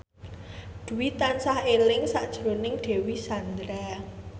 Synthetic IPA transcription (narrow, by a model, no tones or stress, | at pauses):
d̪̥ṳwit̪ansahelɪŋsaʔd̥ʒ̥ɾonɪŋɖ̪̥e̤wisand̪ɾa